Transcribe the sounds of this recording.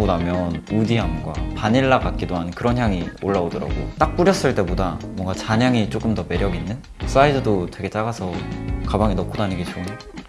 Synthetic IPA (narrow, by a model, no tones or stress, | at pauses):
onamjʌnudiɦamɡwa̰paɲiɭːaɡat̚k͈idoɦanɯnkɯɾʌnçjaŋioɭːaodʌɾa̰ɡo̰t͈ak̚p͈uɾjʌs͈ɯɭt͈e̞bodamwʌŋɡat͡ɕaɲjaŋit͡ɕ͈ok͈ɯmdʌme̞ɾjʌɡinːɯn | s͈aidɯdotwe̞ɡe̞t͡ɕ͈aɡasʰʌkabaŋinʌkʰodaɲɯɡit͡ɕʰium